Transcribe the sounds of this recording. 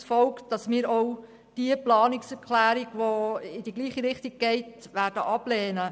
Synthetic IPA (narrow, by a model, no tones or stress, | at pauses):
sfɔlkd̥ɑsmɪːɾow | d̥iəplɑːnɪksɛɾkʰlæːɾiɡ̥ʋoɪd̥iɡliːχiɾɪχtiɡ̚ɡ̥ɛɪtʋæːɾd̥əʔɑb̥lɛːnə